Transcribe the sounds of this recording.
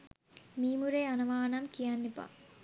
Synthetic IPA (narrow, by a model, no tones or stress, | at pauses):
miːmuɾeanɐʋaːnɐmkijanːipa̰